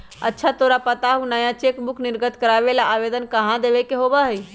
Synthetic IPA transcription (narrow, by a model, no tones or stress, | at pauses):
ə̰tːʃʰat̪oːɾapət̪aɦunaːjãt͡ʃekmʊkʰnɪɾɡət̪kəɾaːʋelaʔaːʋeːd̪ənkəɦãd̪eːʋekeɦoːbaɦɛi